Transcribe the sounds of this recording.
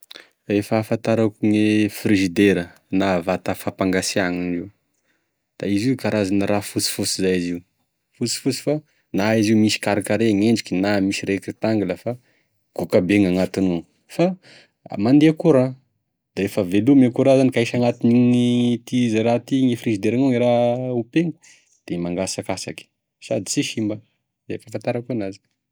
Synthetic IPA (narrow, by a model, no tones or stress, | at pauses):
efəːfant̪aɾakuŋefriʒid̪eɾə | navat̪afapaŋɡasiaŋiniw | d̪̥aiziukaɾazanəɾafut͡si̥fut͡sizajiziu | fut͡si̥fut͡si̥fa | naiziumisi̥kaɾakaɾeŋeɳɖ͡ʐikʲinamisiɾekɾit̪aŋɡulafa | ɡ̥ukabeŋaŋat̪inu | fa | mand̪eakuɾã | d̪̥aɾefəvelumekuɾazanikaiʃaŋat̪iniŋit̪izaɾat̪iŋefrizid̪eɾaŋuŋiɾaupeŋə | d̪̥emaŋɡasakasaki̥ | sad̪i̥t͡siʃimbə | zafafant̪aɾakuonazi̥k